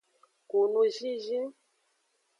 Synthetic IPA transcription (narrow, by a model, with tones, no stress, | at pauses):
ku˨nu˦ʒi˦ʒi˦